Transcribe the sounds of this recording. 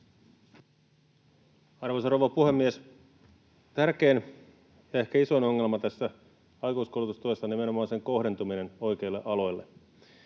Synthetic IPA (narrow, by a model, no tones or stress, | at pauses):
ɑrʋosɑrowʋɑpuhe̞mːies | t̪ærk̟e̞ːn | jɑe̞hkæiso̞jno̞ŋːe̞lmɑt̪æsːæ | ɑjkuiskoulut̪ust̪uesːɑnime̞no̞mɑːnseŋkohde̞nt̪umine̞no̞jk̟e̞ilːeʔɑlo̞jlːe